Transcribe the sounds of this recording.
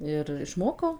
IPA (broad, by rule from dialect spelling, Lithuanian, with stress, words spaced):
ɪr ɪʃˈmoːkɐʊ